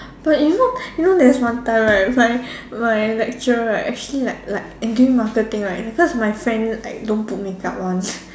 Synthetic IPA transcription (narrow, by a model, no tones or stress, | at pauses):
b̥at̚junojunodɛswãntãɪ̃mɹaɪt̚maɪmajlɛk̚t͡ʃəlaʔɛ̰k̚t͡ʃuəlilaɪk̚laɪk̚ɛ̃nduĩŋmakəttɪ̃ŋlajk̚lakɔsmajfɹɛ̃nla̰ɪk̚dõnput̚mikap̚wãns